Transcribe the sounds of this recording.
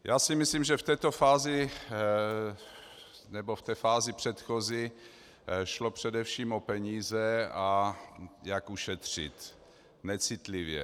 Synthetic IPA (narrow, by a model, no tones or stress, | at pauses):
jaːsɪmɪslimʒɛft̪ɛːt̪ofaːzɪ | nɛboft̪ɛːfaːzɪpr̥ɛt̪xozɪ | ʃlopr̝̥ɛdɛfʃiːmopɛɲiːzɛa | jakuʃɛt̪r̝̥ɪ̰t̪ | nɛt͡sɪt̪lɪvjɛ̰